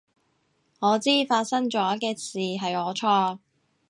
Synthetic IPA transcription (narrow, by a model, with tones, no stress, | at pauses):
ŋɔː˨˧t͡siː˥faː˧t̚sɐ˥ŋt͡ʃɔː˨˥kɛː˧siː˨ɦɐ˨jɔː˨˧t͡ʃʰɔː˧